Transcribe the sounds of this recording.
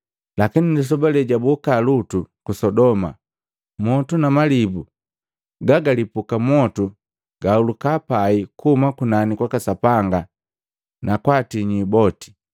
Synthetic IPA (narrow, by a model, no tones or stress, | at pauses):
lakinindis̬ɔbalɛɟabukalutukusɔdɔma̰ | mɔtunamalibu | ɡaɡalipukamwɔtu | ɡaulukapaikuumakunanikwakasapaŋɡa | nʔakwatiɲibɔti̥